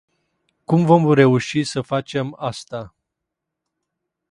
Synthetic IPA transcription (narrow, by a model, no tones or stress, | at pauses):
kumvo̞mɾe̞uʃisəfat͡ʃe̞mast̪a